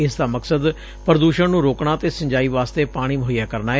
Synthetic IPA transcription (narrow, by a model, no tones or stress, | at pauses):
ɪsd̪aːməksəd̪ | pəɾəd̪uːʃəɳnũːɾoːkɳ̃aːət̪eːsə̃ɲd͡ʒaːiːʋaːst̪eːpaːɽ̃iːməɦijaːkəɾnaːɛ